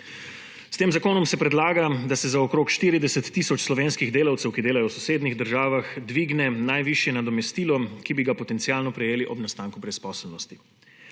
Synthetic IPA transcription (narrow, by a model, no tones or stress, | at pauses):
st̪eːmzakoːnɔmsɛpɾɛd̪laːɡad̪asɛzaɔkɾoːkʃt̪iːɾid̪ɛsɛt̪ːisɔt͡ʃslɔʋeːnskiɣd̪eːlawt̪sɛwkid̪eːlajɔwsɔseːd̪niɣd̪əɾʒaːʋaxd̪ʋiːɡnɛnajʋiʃjɛnad̪ɔmɛst̪iːlɔkibiɡapɔt̪ɛnt̪sijaːlnɔpɾɛjeːliʔɔbnast̪aːŋkubɾɛspɔːsɛlnɔst̪i̥